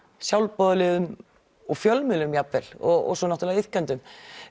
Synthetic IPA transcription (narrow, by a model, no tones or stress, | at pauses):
sjawlpɔðʏlɪðʏm | ɔɣfjœlmʏlʏmjapvɛlɔɣɔ̰ɣsɔnaht̪ɾlɛðɪhcœnt̪ʏm